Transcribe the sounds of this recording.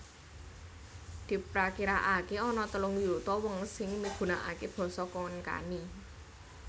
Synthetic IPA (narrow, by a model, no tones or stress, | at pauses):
d̪̥i̤pɾakiɾaʔakeɔnɔt̪əlʊŋjut̪ɔwɔŋsɪŋmiɡ̥ṳnaʔa̰keb̥ɔ̤sɔkɔnka̰ni